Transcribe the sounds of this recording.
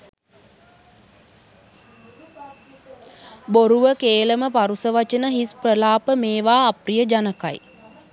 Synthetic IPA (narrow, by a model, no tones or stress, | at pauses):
boɾuʋəkeːləməpaɾusəʋat͡ʃənəɦisprəlaːpəmeːʋaːprijəd͡ʒanəka̰j